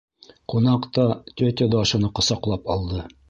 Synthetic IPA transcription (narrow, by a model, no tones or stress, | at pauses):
qunɑqt̪ɑt̪ʲɵt̪ʲed̪oɑʃɤ̆nɤqŏsɑqlˠɑpɑ̰lˠd̪ɤ